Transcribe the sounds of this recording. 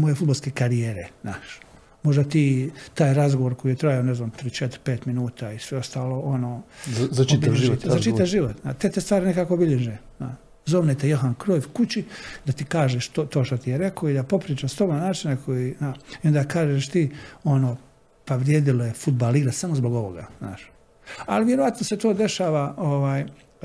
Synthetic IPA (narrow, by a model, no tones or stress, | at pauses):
mojefud̪̚balskeːkaɾijeːɾenaːʃ | mo̞ʒd̪at̪iːt̪aːjɾazɡoʋoɾkoijet̪ɾajaoneznaːmt̪ɾit͡ʃet̪ɾpeːt̪minuːt̪aːisʋeo̞st̪aːlo̞ʔonoːt͡ʃitb̪t̪zzat͡ʃit̪aʒiʋot̪nat̪e̞t̪est̪ʋaːɾinekaːko̞biʎeʒeː | na̰ | zoːʋnet̪ejoɦankɾoːʋkut͡ɕid̪at̪ikaːʒeʃt̪ot̪oːʃt̪ot̪ijeɾe̞koid̪apo̞pɾiːt͡ʃast̪o̞bannaːt͡ʃinakʰojiːnaio̞nd̪akaːʒeʃt̪iːo̞noː | paʋɾjeːd̪ilojefud̪̚baliɾasamozbo̞ɡo̞ʋo̰ɡa̰zna̰ːʃ | a̰liʋjeɾoʋat̪noset̪oːd̪e̞ʃaːʋaoʋaːj